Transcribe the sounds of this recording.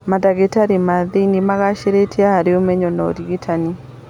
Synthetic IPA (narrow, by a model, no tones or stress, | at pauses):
madaɡetaɾimaðinimaɣaʃeɾetʰiahaɾeomɛɲɔnɔ̰diɡitʰani